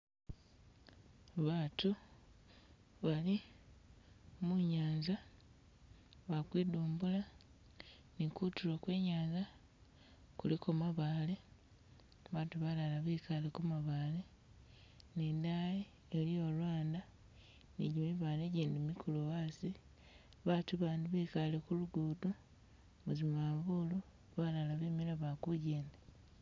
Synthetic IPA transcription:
βaːtu | βali | muɲaːɲza | βakwiːduːmbula | nikutulokweːɲaːɲza | kulikomaβaːle | βaːtuβalalaβiːkalekumaβaːle | niːndaje | eliolwaːnda | nḭɟimiβaːneɟeːndimikʰulowasi | βaːtuβaːnduβiːkalekuluɡudu | muzimaβulu | βalalaβimiɾaβakuɟeːnda

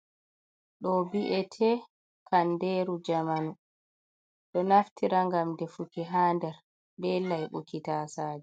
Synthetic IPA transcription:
ɗɔbiʔɛtʰɛ | kʰandɛɾud͡ʒamanu | ɗɔnaftʰiɾaŋɡamdɛfukiɦaːndɛɾ | bɛlajɓukitaːsaːd͡ʒɛ

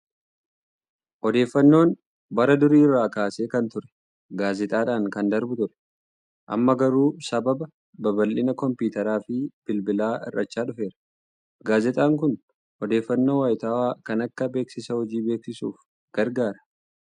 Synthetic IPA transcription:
ʔɔd̪e̞ːfːɐnːo̞ːn | bɐɾɐd̪ʊɾiːrːaːkaːse̞ːkɐnt̪ʊɾɛ̥ | ɡaːzɪt̪ʼaːᶑaːŋkɐnd̪ɐɾbʊt̪ʊɾɛ̥ | ʔɐ̰mːɐɡɐɾuːsɐbɐbɐ | bɐbɐlːɪnɐkɔmpiːt̪ɐɾaːfɪb̥ɪlbɪlaːɪ̰rːɐt͡ʃːaːᶑʊfe̞ːɾɐ̥ | ɡaːzɪt̪ʼaːŋkʊn | ʔɔd̪e̞ːfːɐnːoːwaːjɪt̪aːwaːkɐnɐkːɐbe̞ːksɪsɐhɔd͡ʒiːbe̞ːksɪsuːf | ɡ̥ɐɾɡaːɾɐ̥

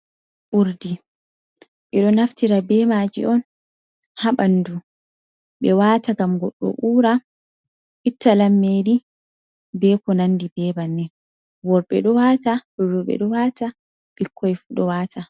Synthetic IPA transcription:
ʔuɾdi | ɓɛɗɔnaftiɾabɛːmaːd͡ʒḭʔɔn | haɓandu | ɓɛwaːtaɡamɡɔɗːɔ̰ɓuːɾa | ʔitːalamːeːdi | bɛːkɔnandibɛːbanːɛ | wɔɾɓɛ̰ɗɔwaːtahurːuɓɛ̰ɗɔwaːta | ɓikʰːɔjfuɗɔwaːtʰa

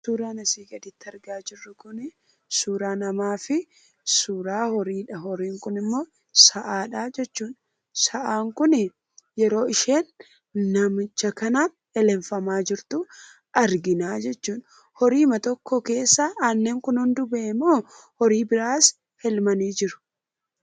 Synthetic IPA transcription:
suːɾaːnɐsiːɡʼɐd̪ɪt̪ːɐɾɡaːd͡ʒɪrːʊkʊnɪ | suːɾaːnɐmaːfɪ | suːɾaːhɔɾiːᶑɐɦɔɾiːŋkʊnɪmːo̞ː | sɐʔaːᶑaːd͡ʒɛt͡ʃːuːᶑ | sɐʔaːŋkʊnɪ | jɛɾo̞ːɪʃeːnː | ɐmɪt͡ʃːɐkɐna | ɛlɛɱfɐmaːd͡ʒɪɾt̪ʊ | ɐɾɡɪnaːd͡ʒɛt͡ʃːuːᶑ | hɔɾiːmɐt̪ɔkːɔke̞ːsːaaːnːeːŋkʊnhʊnd̪ʊbɛʔmːoː | hɔɾiːbɪɾaːs | hɛlmɐniːd͡ʒɪɾʊ̥

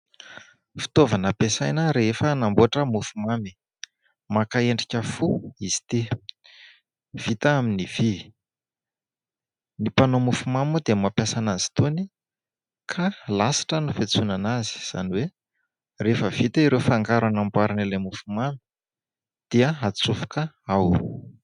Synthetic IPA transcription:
fi̥t̪ovanəpesajnəɾefənamboʈ͡ʂəmufumami̥ | makaeɳɖ͡ʐikʲəfuiz̥i̥t̪i | v̥it̪aaminiv̥i | nipanomufumamud̪emapjasanazi̥t̪oni | kʰalasi̥ʈ͡ʂənufet͡sunanazi̥z̥a̰niwe | refəv̥it̪aiɾewfaŋɡaɾanambwaɾinelemufumami̥ | d̪̥iəat͡sufu̥kə | aw

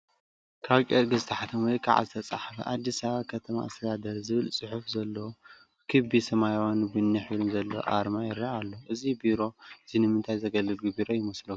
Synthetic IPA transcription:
kʰaβkʼeɾɡɨzɨt̪ʰɐħat̪ʰɐmwjkʰa̰ʕa̰zɨt̪ʰɐt͡sʼa̰ħafɐ̰ʔad̪ːisaβakʰɐt̪ʰɐma̰ast̪ʰɐd̪ad̪ɐɾzɨβɨlsʼɨħufzɐlːɐ | kʰɨbisɐmajawanbɨnːiħɨlumzɐlːɐ̰ʔaɾmajɪɾːaʔalːoʔɨzibiɾo̞ɨzinɨmɨnt̪ʰajzɐɡɐlːɨlɡɨbiɾojɪmɐslo

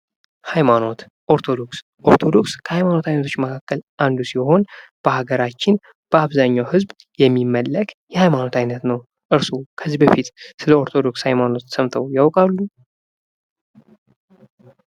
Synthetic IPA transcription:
hajmano̞t̪ | ʔo̞ɾt̪ʰo̞d̪o̞ks | ʔo̞ɾt̪ʰo̞d̪o̞kskʰəhajmano̞t̪ajnət̪ʰo̞t͡ʃːməkʰakːəlʔand̪usiho̞nb̥əhaɡəɾat͡ʃːɪn | b̥əaβzaɲːawhɨzb | jɛmːimːəlːəkʼjɛhajmano̞t̪ʰajnət̪nəw | ʔɨɾsokʰəzibəfit̪sɨləo̞ɾt̪ʰo̞d̪o̞kshajmano̞t̪səmt̪ʰəwjawkʼalːu

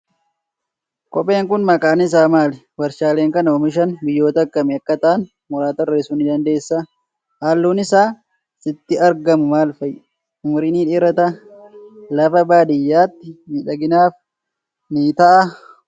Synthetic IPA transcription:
kʼɔpʼe̞ːŋkʊnmɐkʼaːnɪs̬aːmaːlɛ | wɐɾʃaːleːŋkɐnɔmɪʃ̬ɐnbɪjːo̞ːt̪ɐkːɐmɛɐkːɐt̪ɐʔɐn | mɔɾaːt̪ɐɾːeːsuːnɪd̪ɐnd̪e̞ːsːɐ | haːlːuːnɪsaː | sɪt̪ːɪɐɾɡɐmʊmaːlfɐj | ʊmʊɾiniːᶑiːɾɐt̪ɐ | lɐfɐbaːd̪ɪjːaːt̪ːɪniːᶑɐɡɪnaːf | niːt̪ɐʔɐ

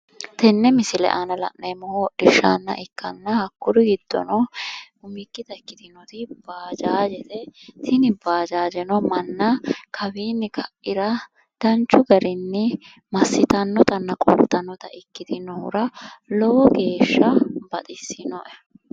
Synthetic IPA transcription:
t̪ɛnːɛmɪsɪlɛ̰ʔanɐlɐ̰ʔnemɔhɔɗɪʃːa̰nːɐ̰ʔɪkːɐnːɐhɐkːʊɾɪɡɪd̪̥ːɔ̰nɔ | ʊmɪkːɪt̪ɐkːɪt̪ɪnɔt̪ɪb̥aːd͡ʒaːd͡ʒɛt̪ɛt̪ʰɪnɪbaːd͡ʒaːd͡ʒɛnɔmɐnːɐkʰɐbiːnːɪkʰɐʔːɪɾɐ | d̪̥ɐnt͡ʃːʊɡɐɾɪnːɪ | mɐsːɪt̪ɐnːɔt̪ɐnːɐkʼɔ̰pt̪ɐnːɔt̪ɐʔɪkːɪt̪ɪnɔhʊ̰ɾɐlɔwɔɡe̞ːʃːɐbɐt̪ʼɪsːɪnɔʔɛ

